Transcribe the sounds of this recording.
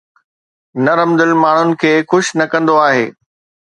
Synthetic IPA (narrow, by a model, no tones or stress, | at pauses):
nɐɾɐmd̪ɪlmaːɳ̤ʊnɪ̆kʰeːxʊʃnɐkɐ̃nd̪oaːɦḛː